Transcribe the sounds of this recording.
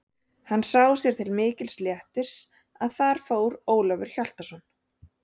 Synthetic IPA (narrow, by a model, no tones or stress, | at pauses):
hanːsawsjɛɾ̥t̪ʰɪlmɪːcɪlsljɛht̪ɪɾ̥s | aðθaɾ̥foːwɾoːwlavʏɾ̥çal̥t̪asɔn